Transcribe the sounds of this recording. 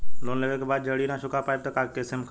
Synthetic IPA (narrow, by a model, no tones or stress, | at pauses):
loːnleʋekʰebaːd̪̚d͡ʒɐɽinãʃʊkapaːjb̚t̪ɐkaːkesɪmkʰ